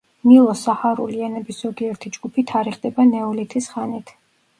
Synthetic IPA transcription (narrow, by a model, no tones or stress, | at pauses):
nilˠɔsahaɾṵlianɛbisz̥ɔɡiɛɾt̪ʰid͡ʒɡupʰit̪ʰaɾiχd̪ɛbanɛɔlit̪ʰisχanit̪ʰ